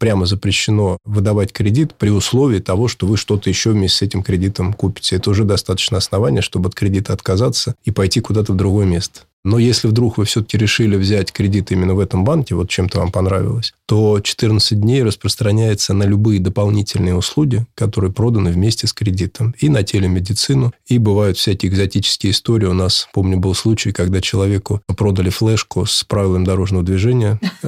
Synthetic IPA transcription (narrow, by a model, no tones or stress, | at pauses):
pɾʲaməzəpɾʲɪɕːɪno̞vɨd̪ɐvatʲkɾʲɪdʲit̪pɾʲɪʊslˠo̞vʲɪːt̪ɐvo̞ʂt̪o̞vɨʂt̪o̞t̪əjɪɕːovmʲesʲtʲɪsɛtʲɪmkɾʲɪdʲit̪əmkupʲɪ̥tʲəɛt̪əʊʐɛd̪ɐst̪at̪ə̥t͡ɕnəɐsnɐvanʲɪjəʂt̪o̞bəɐt̪̚kɾʲɪdʲit̪əɐt̪kɐzat̪səipɐjtʲikʊd̪at̪əvd̪ɾʊɡo̞jəmʲest̪ə̥ | no̞jesʲlʲɪvd̪ɾukvɨfsʲɵt̪ə̥kʲɪɾʲɪʂɨlʲɪvzʲætʲkɾʲɪdʲit̪imʲɪnːəvɛt̪əmbankʲɪvo̞t̪̚t͡ɕemt̪əva̰mpɐnɾa̰vʲɪ̰lˠəsʲt̪o̞t͡ɕɪ̥t̪ɨrnət̪sɨt̚ʲdʲnʲejrəspɾəst̪ɾɐnʲæjɪt̪sənəlʲʊbɨjəd̪əpɐlˠnʲitʲɪlʲnɨjəʊslˠuɡʲɪəkɐt̪o̞ɾɨjəpɾo̞d̪ənɨvmʲesʲtʲɪskɾʲɪdʲit̪əminɐtʲelʲɪmʲɪdʲɪt̪sɨnʊibɨvajʊt̪fsʲækʲɪjɪɡzɐtʲit͡ɕɪ̥skʲɪjəɪst̪o̞ɾʲɪɪʊnaspo̞mnʲʊbɨlˠslˠut͡ɕɪjkɐɡd̪at͡ɕɪlˠɐvʲekʊpɾo̞d̪əlʲɪflˠɛʂkʊspɾavʲɪlˠəmd̪ɐɾo̞ʐnəvəd̪vʲɪʐɛnʲɪjə